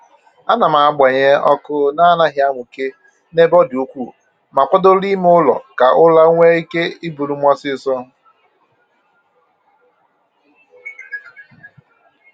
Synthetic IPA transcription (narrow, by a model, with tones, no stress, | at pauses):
a˦na˨ma˨a˨ɡ͡bʷe˨ɲe˦ɔ̰˦kʊ˦na˦na˦ɦja˦ŋʷʊ˨ke˦ | ne˦bɔ˦dɪ˨o˦kʷu˦˨ | ma˨kʷɔ˦do˦li˦m˦ʊ˦lɔ̰˨ka˨ʔʊ˦la˦ŋʷe˦i˦ke˦i˦bu˨ɾu˦mʷa˦sɪ˦˨sɔ˦